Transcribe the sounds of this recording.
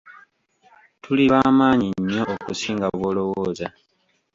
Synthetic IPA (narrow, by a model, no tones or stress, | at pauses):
tʰuliβaːmaːɲiɲːo̞ʔːkusiːŋɡaβwo̞ːlo̞woːza